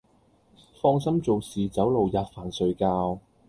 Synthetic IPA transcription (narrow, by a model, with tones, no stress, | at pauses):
fɔː˧ŋsɐ˥mt͡so˨wsiː˨t͡sɐ˨˥wlo˨wjaː˧t̚faː˨˩nsɵ˨˧ɥkaː˧w